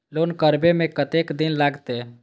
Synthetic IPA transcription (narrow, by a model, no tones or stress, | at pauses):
loːnkəɾbemẽkət̪ekd̪inlaɡt̪e